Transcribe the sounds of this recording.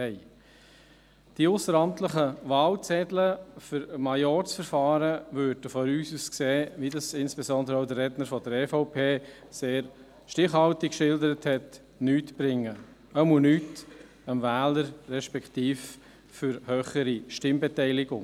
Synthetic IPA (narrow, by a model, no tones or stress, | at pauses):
ɛɪ | d̥iʊsəɾɑmtləχəʋɑːlt͡sɛdləfəɾmɑjɔɾsfəɾfɑːɾəvøɾdəfɔɾyːsuskseːʋidɑsɪnsb̥esɔndəɾəaʊd̪əɾːɛdnəɾfɔdəɾɛfɔʊpʰeː | seːɾ | ʃtɪχhɑltɪkkʃɪldəɾəthɛt | nyːtb̥ɾɪŋːə | əmunyːt | əmvæːləɾɾɛʃpɛkʰtiːf | fʏɾhøːχəɾiʃtɪmbɛtɛɪlɪɡʊŋ